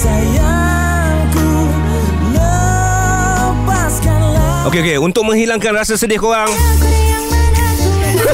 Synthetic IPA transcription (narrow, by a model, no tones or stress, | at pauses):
saja | ŋku | lə | paskanlaʔokeokeunt̪ʊk̚mə̃ŋhilaŋkanrasasədiahkoɣaŋ